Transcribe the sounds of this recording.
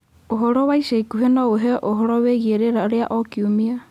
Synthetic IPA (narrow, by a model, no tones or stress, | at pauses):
oɦoɾoβajsejkuɦenoweɦeʔoɦoɾoβeɣieɾeɾaɾeaʔokiumia